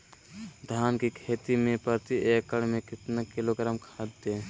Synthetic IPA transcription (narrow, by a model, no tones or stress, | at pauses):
d̪ʱaːnkikʰeːt̪imẽpəɾt̪ieːkːəɽmẽkɪt̪nakɪloːɡɾəmkʰad̪eː